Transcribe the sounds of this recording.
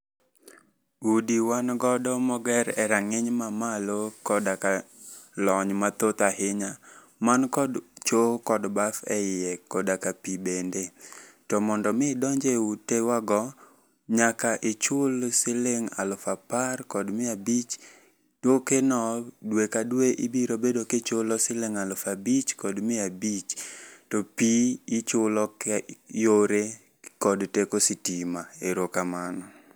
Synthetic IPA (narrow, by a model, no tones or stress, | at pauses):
udiwanɡɔdɔmɔɡɛɾɛɾaŋɪɲmamalokɔdaka | lɔɲmat̪ot̪ahɪɲa | mankɔdt͡ʃokɔdbafɛjɛkɔdakapibendetɔmɔndɔmɪdɔɲd͡ʒeutewaɡɔ | ɲakaʔɪt͡ʃʊlsɪlɪŋa̰lɔfaparkɔdmɪabit͡ʃ | dokenɔdwekadweʔibiɾobedoket͡ʃolɔsɪlɪŋalɔfabit͡ʃkɔdmɪabit͡ʃtɔpiɪt͡ʃʊlɔkjoɾe | kɔdtekosɪtimaeɾokamanɔ